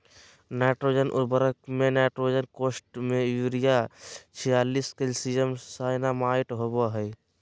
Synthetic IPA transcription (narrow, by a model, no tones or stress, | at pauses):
nɛːʈɾoːd͡ʒənʔʊ̰bəɾək̚mẽnɛːʈɾoːd͡ʒənkoːsʈmẽjuːɾijat͡ʃʰijaːliːskelsid͡ʒəmsaːnamaːɪʈɦoboɦɛj